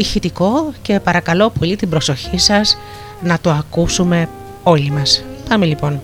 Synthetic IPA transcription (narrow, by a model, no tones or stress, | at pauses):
içit̪iko̞ce̞pɐɾɐkɐlo̞po̞lit̪ibɾo̞so̞çisɐs | nɐt̪uɐkusume̞ | o̞limɐspɐmelipo̞n